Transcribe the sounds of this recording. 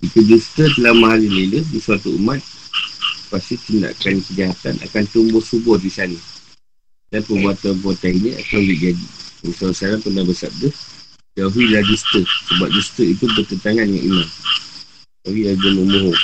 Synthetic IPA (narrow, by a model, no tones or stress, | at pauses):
it̪ud͡ʒust̪ət̪̬əlamaɦaɾiləilədisuat̪uəmat̪̚ | past̪it̪inda̰ʔkankəd͡ʒaɦat̪anʔa̰kant̪umbʊhsubɔhdisanə | danpəbuɦat̪anp̬ɔt̪ainiʔa̰t̪awbiʔd͡ʒadḭəsasaɾanpənabəsap̚də | d͡ʒauɦilahd͡ʒust̪əsəbap̚d͡ʒust̪əit̪ubət̪ənt̪aŋanŋa̰ʔḭma | aɡiaɡəməmboɦɔ